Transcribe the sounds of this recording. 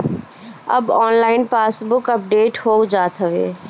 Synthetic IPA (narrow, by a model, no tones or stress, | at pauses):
ɐ̰bɔːnlaːɪnpaːsbʊkəp̚ɖeːʈhoːɡd͡ʒaːt̪ʰəʋḛː